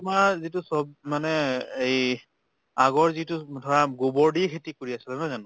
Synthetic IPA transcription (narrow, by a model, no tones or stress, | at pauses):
tumaɹzitʊsɔb̚manɛej | aɡɔɹzitʊdʱɔɹaɡobɔɹdikʰetikoɹiasɛlamazanʊ